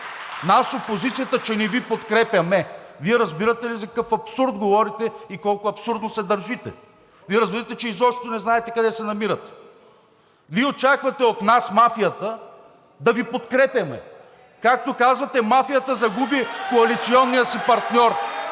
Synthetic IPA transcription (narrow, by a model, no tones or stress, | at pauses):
nasopozit̪sijət̪ət͡ʃɛnɛvipot̪kɾɛpʲjɐmɛviɛɾɐzbiɾət̪ɛlizɐkɐkɤfɐpsuɾd̪ɡovɔɾit̪ɛikɔlˠkʊɐpsuɾd̪nosɛd̪ɐɾʒit̪ɛ̰ | viɛɾɐzbiɾt̪ɛt͡ʃɛizɔʃt̪onɛznaɛt̪ɛkɐd̪ɛsɛnɐmiɾət̪ɛ̥ | viɛot͡ʃakvɐt̪ɛot̪nasmafijət̪ə | d̪ɐvipot̪kɾɛpʲɐmɛ̰ | kak̚t̪okazvɐt̪ɛmafijət̪əzɐɡubikoɐlit̪siɔnːijəsipɐɾt̪nʲɔɾ